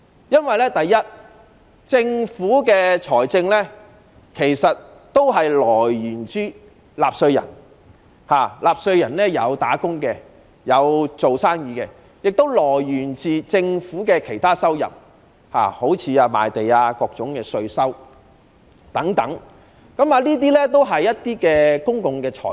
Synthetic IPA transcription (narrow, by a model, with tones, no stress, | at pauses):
jɐ˥nwɐ˨jlɛː˥t̪ɐ˨jːɐ˥t̚ | t͡sɪ˧ŋfuː˨˥kɛː˧t͡ʃʰɔː˨˩jt͡sɪ˧ŋlɛː˥ | kʰe˨˩jsɐ˨t̚ | t̪o˥wɦɐ˨jlɔː˨˩jːyː˨˩nt͡syː˥ | laː˨p̚sɵ˧ɥjɐ̰˨˩n | haː˨laː˨p̚sɵ˧ɥjɐ˨˩nlɛː˥jɐ˨˧wt̪aː˨˥kʊ˥ŋkɛ˧ | jɐ˨˧wt͡so˨wsaː˥ŋjiː˨˧kɛː˧ | jɪ˨k̚t̪o˥wlɔː˨˩jjyː˨˩nt͡siː˨t͡sɪ˧ŋfuː˨˥kɛː˧kʰe˨˩jt̪ʰaː˥sɐ˥wjɐ̰˨p̚ | ha̰ː˨˩ho˨˥wt͡sʰiː˨˧aː˧ma̰ː˨jt̪e˨jaː˧kɔː˧k̚t͡sʊ˨˥ŋkɛː˧sɵ˧ɥsɐ˥w | t̪ɐ˨˥ŋt̪ɐ˨˥ŋ | kɐ˨˥maː˧liː˥t̪̬iː˥lɛ˥t̪o˥wɦɐ˨jːɐ˥t̚t̪iː˥kɛː˧kʊ˥ŋkʊ˨˧ŋkɛː˧t͡ʃʰɔ̰ː˨˩